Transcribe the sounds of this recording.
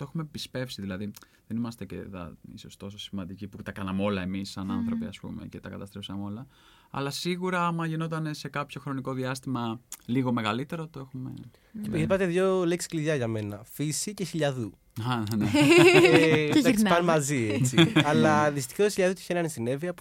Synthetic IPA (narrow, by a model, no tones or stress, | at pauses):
t̪oexume̞pispe̞fsiðilɐði | ðenimɐst̪ecḛðɐ̰ḭsost̪o̞sosimɐnd̪iciput̪ɐkɐnɐmeo̞lɐemisːɐnɐnθɾo̞piɐspṵme̞̰ce̞t̪ɐkɐt̪ɐst̪ɾefsɐmo̞lɐ | ɐ̰lɐsiɣuɾɐmɐʝino̞t̪̬ɐne̞se̞kɐpço̞xɾo̞niko̞ðiɐst̪imɐliɣo̞me̞ɣɐlit̪e̞ɾot̪o̞e̞xumḛ | ceipɐt̪eðʝoleksi̥kliʝɐʝɐme̞nɐfisice̞çiʎɐðu | ɐne | ɐsspɐnmɐziet͡siɐlɐðist̪i̥xɐt̪oçiʎɐðut̪i̥çenɐnisine̞viɐp